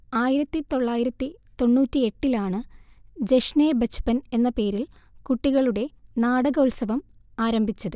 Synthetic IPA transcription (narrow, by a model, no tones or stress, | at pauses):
aːjiɾɐt̪ːit̪o̞ɭːaːjiɾɐt̪ːit̪o̞nːuːtːie̞ʈːilaːɳɨd͡ʑe̞ʂnebɐt͡ɕʰːu̥pɐne̞nːɐpe̞ːɾil | kuʈːiɣɐɭuɽe̞naːɽɐɣɐulsɐʋɐmaːɾɐmbʱit͡ɕːɐðɨ